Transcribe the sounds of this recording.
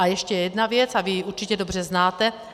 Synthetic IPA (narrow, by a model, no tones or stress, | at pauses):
ajɛʃcɛjɛdnavjɛt͡savɪjiʔuɾt͡ʃicɛdo̞br̝ɛznaːt̪ɛ